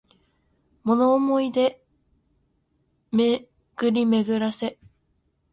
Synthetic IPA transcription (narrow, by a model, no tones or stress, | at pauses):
mo̞noːmo̞id̪e̞ | me | ɡ̥ɯ̟ɾʲime̞ɡɯ̟ɾase̞